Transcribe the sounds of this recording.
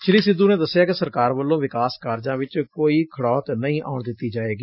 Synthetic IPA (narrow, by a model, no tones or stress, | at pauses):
t͡ʃʰɪliːsɪd̪ũːneːd̪əsɪjaːkɪsəɾkaːɾʋəlːõːʋɪkaːskaːɾd͡ʒãːʋɪt͡ʃkoːiːkʰəɽɔːt̪nəĩːʔa̰ːʊɳd̪ɪt̪ːiːd͡ʒaːeːɡiː